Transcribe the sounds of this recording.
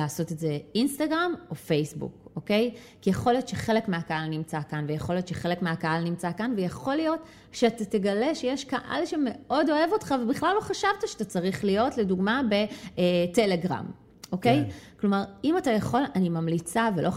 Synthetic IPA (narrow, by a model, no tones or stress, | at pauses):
aːso̞tetze̞instaɡʁamo̞fejsbṵko̞kejkijeχo̞lijo̞tʃeχe̞lekmeakaalnimt͡sakanvejaχo̞lijo̞tʃeχe̞le̞kmeakaalnimt͡sakanvejaχo̞lijo̞t | ʃeatate̞ɡaleʃejeʃkaʔa̰lʃeme̞o̞do̞e̞vo̞tχavebiχlalːo̞χaʃavtaʃeatat͡saʁiχlijo̞tle̞duɡmabe̞tele̞ɡʁa̰m | ʔoke̞jklo̞maʁimatajaχo̞lanimamlit͡savelʔo̞